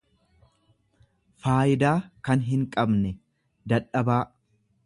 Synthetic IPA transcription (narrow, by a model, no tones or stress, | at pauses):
faːʔɪd̪aːkɐnɦɪŋkʼɐbnɛ | d̪ɐᶑɐbaː